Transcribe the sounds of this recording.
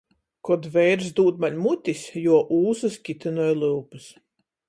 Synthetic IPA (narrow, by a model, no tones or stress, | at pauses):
kɔd̪vɛjɾs̬d̪uːt̪̚maɲʲmut̪ʲisjuɔʔuːsɨskʲit̪ɨnɔɔjlˠɨlpɨs